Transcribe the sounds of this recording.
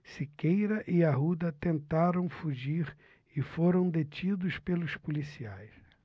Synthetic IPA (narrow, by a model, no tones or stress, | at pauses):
sikejɾɐʔɪaɦud̪ɐt̪ẽnt̪aɾɐ̃w̃fuʒiɾ | ɪfoɾɐ̃w̃d̪et͡ʃid̪ʊspelʊspulisiajs